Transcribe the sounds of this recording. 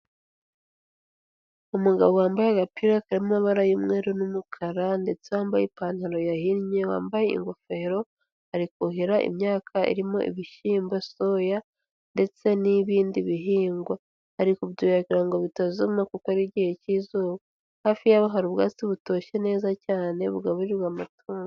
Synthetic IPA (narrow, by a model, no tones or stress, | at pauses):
umuɡaβo̞waːmbajeɡapiɾakaɾimumaβaɾajimŋe̞ːɾonumukʰaɾande̞t͡se̞waːmbajepaːn̥haɾo̞jahiɾɲe̞wa̰ːmbaje̞ḭŋɡofe̞ɾo̞ | haɾikuɦiɾaʔḭmɲaːkʰaḭɾimo̞̰ʔḭβiʃiːmbaso̞ja | nde̞t͡se̞niβiːndiβiɦiːŋɡwa | haɾikuβɟujaɡiɾaŋɡo̞βitazumakukoɾiɟihe̞ciːzoːβo | haːfijaβaɦaɾuβɡaːt͡siβuto̞ːʃe̞ne̞ːzacaːne̞βuɡaβuɾiɾwaːmatʰoːŋo